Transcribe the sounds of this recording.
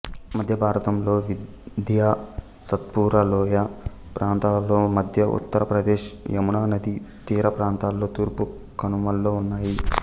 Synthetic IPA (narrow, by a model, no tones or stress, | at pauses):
mɐd̪ʱjɐbʱaːɾɐt̪ɐmlo̞ːʋid | d̪ʱjaː | sɐt̪̚puːɾɐlɔːja | pɾʔaːnt̪aːlːo̞ːmɐd̪ʱjɐʔṵt̪ːɐɾɐpɾɐd̪eːʃjɐmunaːnɐd̪it̪iːɾɐpɾaːnt̪aːlːo̞ːt̪uːɾpu | kɐnumɐlːoːunːaːji